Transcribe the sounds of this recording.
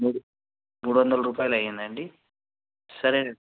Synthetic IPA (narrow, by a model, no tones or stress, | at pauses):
muːɽu | muːɽuʋɐnd̪ɐlɐɾuːpaːjlɐjend̪ɐɳɖi | sɐɾe